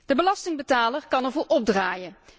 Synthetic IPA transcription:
d̥əbəlɑstɪŋbətaːlərkɑnəɹvʊːɹʔɔb̚draːjən

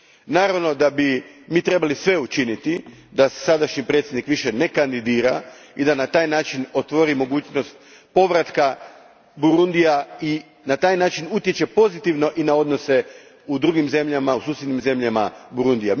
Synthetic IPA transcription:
naːɾaʋno̞d̪abimiːt̪ɾe̞balisʋe̞ut͡ʃinit̪id̪ase̥sad̪aʃɲipɾet̪sʲjed̪nikʋiʃe̞ne̞kand̪id̪iːɾa̰ | id̪anat̪aːjnaːt͡ʃinot̪ʋo̞ɾimo̞ɡuːt͡ʃno̞st̪̚ | po̞ʋɾat̪ka | buɾund̪ijai | nat̪aːjnaːt͡ʃinut̪je̞t͡ɕe̞po̞zit̪iʋno̞ʔinao̞d̪no̞se̞ | ud̪ɾuɡimze̞mʎamausuːsʲjed̪nimze̞mʎama̰buɾund̪ija

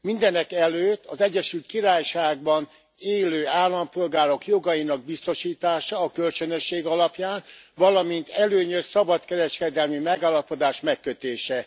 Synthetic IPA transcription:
mind̪ɛnɛkɛløːt̪ːɒzɛɟːɛʃylt̪kiɾaːjʃaːɡ̚bɒn | eːløːaːlːɒmpo̞lɡaːɾo̞kjo̞ɡɒjinɒɡ̚bist̪o̞ʃiːt̪aːʃɒːkølt͡ʃønøʃːeːɡɒlɒpjaːnvɒlɒmint̪ɛløːɲøssɒbɒt̪kɛɾɛʃkɛd̪ɛlmimɛɡaːlːɒpo̞d̪aːʃmɛkːøt̪eːʃɛ

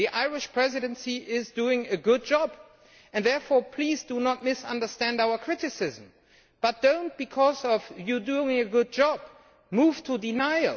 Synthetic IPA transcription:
ðiʔaɪɹɪʃpʰɹ̥ɛzɨɾɨ̃nsiʔɪzduɪ̃ŋɨɡʊd̚d͡ʒɑb | ɨ̃nðɛɹfɔɹpʰl̥izdunət̚mɪsʌ̰̃ndə˞stæ̃ndaʊə˞kʰɹ̥ɪɾɨsɪzm̩ | b̥ʌt̚d̥õʊ̃nt̚b̥ɨkʰɔzʌvjɨduɪ̃ɪ̃ŋɨɡʊd̚d͡ʒɑb̥̚ | muv̥tʰədɨnaɪ

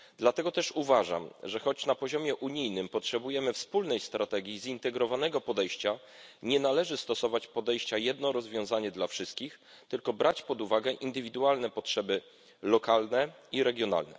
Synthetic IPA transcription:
d̪lat̪ɛɡɔt̪ɛʂuvaʐa̰mʐɛxɔt͡ɕnapɔʑɔmʲjɛʔuɲijnɘmpɔtʂɛbujɛmɘfspulnɛjst̪ɾʔat̪ɛɡʲjizint̪ɛɡɾɔvanɛɡɔpɔd̪ɛjɕt͡ɕa | ɲɛnalɛʐɘst̪ɔsɔvat͡ɕpɔd̪ɛjɕt͡ɕajɛd̪nɔɾɔzvʲjɔ̃w̃zaɲɛd̪lafʂɘst̪̚kʲix | t̪ɘlkɔbɾʔat͡ɕpɔd̪uvaɡɛʔind̪ɘvʲid̪ualnɛpɔtʂɛbɘ | lɔkalnɛiɾɛɡʲjɔna̰lnɛ̰

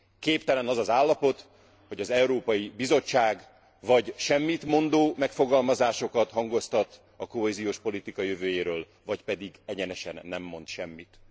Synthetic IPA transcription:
keːpt̪ɛlɛnɒzɒzaːlːɒpo̞t̪ | ho̞ɟɒzɛuɾoːpɒjibizo̞t͡ʃːaːɡ | vɒɟʃɛmːit̪mo̞nd̪oːmɛkfo̞ɡɒlmɒzaːʃo̞kɒt̪ɦɒŋɡo̞st̪ɒt̪ | ɒko̞ɦeːzijoːʃpo̞lit̪ikɒjøvøːjeːɾøːl | vɒcpɛd̪iɡɛɟɛnɛʃɛ̰nːɛmːo̞nt̪ʃɛmːit̪

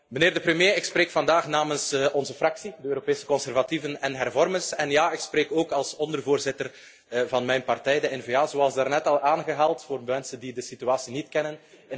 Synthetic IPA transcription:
məneːrdəprəmjeːɪkspɾeːkfɑndaːxnaːmənsɔnzəfrɑksidəøːɾopeːsə̥kɔnsɛrvativənɛnɦɛrvɔrmənsɛnjaːɪkspreːkoːkɑlˠsɔndərvoːrzɪtər | vɑnmɛjnpɑrtɛjdəɛnveaːzoɑlˠsdaːrnɛtɑlˠʔaːnɣəɦaːlˠtfoːrmɛnsəndidəsityaːsinitkɛnən | ɪ

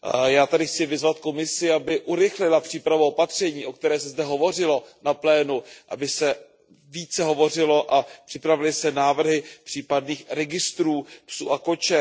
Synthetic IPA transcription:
jaːt̪adɪxt͡sɪvɪzvat̪ko̞mɪsɪabɪʔuɾɪxlɪlapr̝̥iːpɾavaopat̪r̝̥ɛɲiːʔo̞k̚t̪ɛɾɛːsɛzdɛɦo̞vo̞r̝ɪlo̞naplɛːnuʔabɪsɛ | viːt͡sɛɦo̞vo̞r̝ɪlo̞ʔapr̥ɪpɾavɪlɪsɛnaːvr̩ɦɪpr̝̥iːpadniːxɾɛɡɪst̪ɾuːpsuːʔako̞t͡ʃɛ

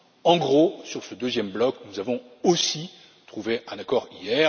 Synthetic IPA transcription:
ɑ̃ɡʁosyʁsəd̪øzjɛmblɔknuzavɔ̃ | osi | t̪χuveʔɛ̃nakɔʁijɛ

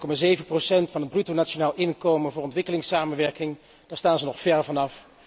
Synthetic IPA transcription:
kɔmaːzejvənprosɛntfɑnɦəd̚brytonat͡ʃonaːlˠɪnkowmənvʊːɹɔntʋɪkəlɪŋsaːmənʋɛɹkɪŋ | d̥aːɹstaːnzənɔχfɛɹvɑnɑf

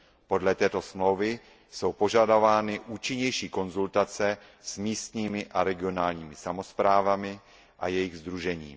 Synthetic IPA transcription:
po̞dlɛt̪ɛːt̪o̞smlo̞wvɪ | so̞wpo̞ʒadavaːnɪʔuːt͡ʃɪɲɛjʃiːko̞nzult̪at͡sɛ | smiːst̪ɲiːmɪʔaɾɛɡɪo̞naːlɲiːmɪsamo̞spɾaːvamɪ | ʔajɛjɪɣzd̪ɾuʒɛɲḭː

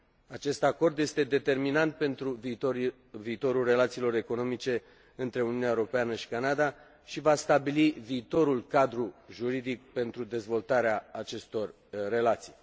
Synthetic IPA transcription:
at͡ʃe̞st̪ako̞rd̪je̞st̪e̞d̪e̞t̪e̞rminant̪̚pe̞nt̪ɾuo | viːt̪o̞ɾulre̞lat̪siːlo̞ɾe̞ko̞no̞mit͡ʃe̞ | ɨnt̪ɾe̞uniuuneaewɾo̞peanəʃi̥kanad̪a | ʃivast̪abiliviːt̪o̞ɾulkad̪ɾuʒuɾid̪ik̚pe̞nt̪ɾud̪e̞zvo̞lt̪aɾeaːt͡ʃe̞st̪o̞rː | e̞lat̪si̥j

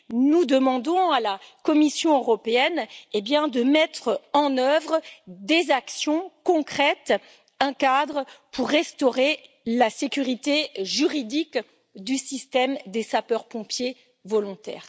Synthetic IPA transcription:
nud̪əmɑ̃d̪ɔ̃alakɔmisjɔ̃øʁɔpeɛnebjɛ̃d̪əmɛt̪χɑ̃nœvʁəd̪ezaksjɔ̃kɔ̃kχɛt̪ | ɛ̃kad̪ʁəpʰuʁːɛst̪ɔʁe | lasekʲyʁit̪eʒyʁid̪ik | d̪ysist̪ɛmd̪esapœʁpɔ̃pje | vɔlɔ̃t̪ɛ̰ːʁ

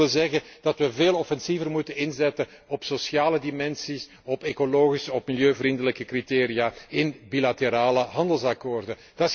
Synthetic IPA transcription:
ɪzɛɣəd̥ɑtʋəveːlˠɔfɛnsivərmutənɪnzɛtən | ɔpsosjaːlədimɛnsis | ɔpekoloːɣisɔpmiljøːvrindələkəkriteːɾijaːɪnbilateɾaːləɦɑndəlˠsɑkoːrdə | d̥ɑ

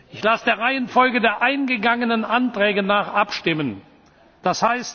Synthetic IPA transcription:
ʔɪçlasəd̥eːɐʁaɪənfɔlɡədeːɐʔaɪnɡəɡaŋənənʔantʁ̥ɛːɡənaːχʔapʃtɪmən | d̥ashaɪst

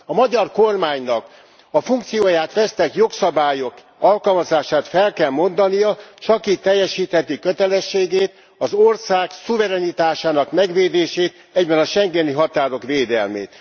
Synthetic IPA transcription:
ɒmɒɟɒrko̞rmaːɲnɒk | ɒfuŋk̚t̪sijoːjaːt̪ʋɛst̪ɛkjo̞ksɒbaːjo̞k | ɒlkɒlmɒzaːʃaːt̪fɛlkɛlmo̞nd̪ɒnijɒt͡ʃɒkiːt̪ːɛjːɛʃiːt̪hɛt̪ikøt̪ɛlɛʃːeːɡeːt̪ | ɒzorsaːksuvɛɾɛnit̪aːʃaːnɒkmɛɡʋeːd̪eːʃeːt̪ | ɛɟbɛnɒʃɛŋɡɛniɦɒt̪aːɾo̞kʋeːd̪ɛlmḛːt̪

